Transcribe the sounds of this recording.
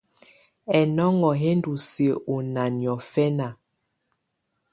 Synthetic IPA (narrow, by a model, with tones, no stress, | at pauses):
ɛ˨nɔ˦ŋɔ˨ɦe˦n˦du˨se˨u˨na˨njɔ˨fɛ˦na˨